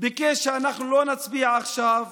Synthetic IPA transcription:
bɪkeʃeanaχnulonat͡sbiʕaχʃav

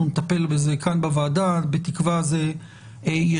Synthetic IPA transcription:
unet̪ape̞lbeze̞kʰanbavaːdatbet̪ikvaze | eje

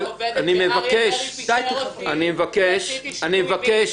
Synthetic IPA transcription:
animevakeʃ | at̪animevakeʃanimevakeʃ

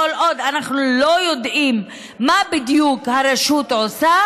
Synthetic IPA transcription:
olod̪anaχnulo̞jo̞d̪ʔimː | abid̪jukhaɾeʃut̪ʕosa

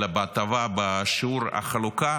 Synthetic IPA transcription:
abat̪avabaʃiuɾa̰χaluka

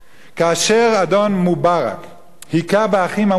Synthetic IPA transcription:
kaaʃeɾad̪ɔnmubaʁa̰k | hikabaaχima

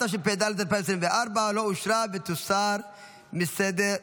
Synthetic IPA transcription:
ɐʃɪpɛd̪ɐlt̪ɐɾpɛns̬ɪnd̪ɛʔɐɾbaːlɔʊʃɾaːbɛt̪ʊsːaːɾ | mɪsːɛd̪ɛ

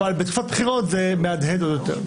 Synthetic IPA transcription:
albet̪kufat̚bχiʁot̪zemead̪ɦetod̪jot̪ḛʁ

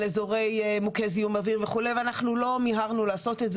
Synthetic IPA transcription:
lezo̞ʁe̞jmukeziumaviʁveχuleveanaχnulo̞miɦaʁnulaːso̞t̪etz

